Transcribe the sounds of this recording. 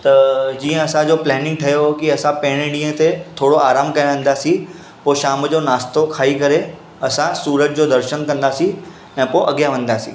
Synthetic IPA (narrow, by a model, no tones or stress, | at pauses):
t̪ɐd͡ʑiːə̃ɐsãd͡ʑoːplɛːnɪ̃ŋɡ̚ʈʰɐjokiɐsãpɐ̃ɦɪ̃ɽ̃ẽɽĩːə̃t̪et̪ʰoːɽoʔaːɾaːmkɐj̃ʋə̃n̆d̪aːsĩ | poːʃaːmd͡ʑoːnaːst̪okʰaːikɐɾe | ɐsãsuːɾət̪̚d͡ʑoːd̪ɐɾʃənkɐ̃nd̪aːsĩ | ɛ̃ːpoʔɐɡjaʋɐ̃n̆d̪aːsḭ̃ː